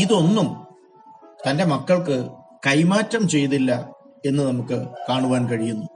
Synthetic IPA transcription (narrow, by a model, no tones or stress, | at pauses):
iðo̞nːum | t̪ɐnde̞mɐkːɐɭk̬ɨkɐjmaːtːɐmt͡ɕe̞jt̪ːilːɐ | e̞nːɨnɐmukːɨkaːɳuʋaːnkɐɻijunːu